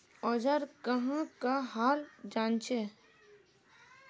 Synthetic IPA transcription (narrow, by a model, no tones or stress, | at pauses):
ɔːd͡ʒəɾkəɦãkaɦaːld͡ʒaːnt͡ʃʰe